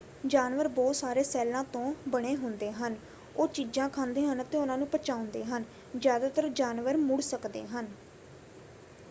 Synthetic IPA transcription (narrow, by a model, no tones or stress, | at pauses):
d͡ʒaːnʋəɾbɔːt̪saːɾeːsɛːlãːt̪õːbəɽ̃eːɦʊnd̪eːɦən | oːt͡ʃiːd͡ʒãːkʰãːnd̪eːɦənət̪ẽːʊnãːnũːpət͡ʃaːʊ̃nd̪eːɦən | zjaːd̪aːt̪əɾd͡ʒaːnʋəɾmʊɽsəkd̪ḛːɦən